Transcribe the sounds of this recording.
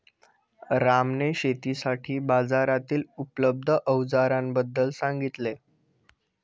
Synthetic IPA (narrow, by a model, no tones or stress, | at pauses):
ɾamneɕet̪isaʈʰiːbad͡zaɾat̪iːlupləb̚d̪ʱəʔəwd͡zaɾãmbəd̪ːəlsãŋɡit̪le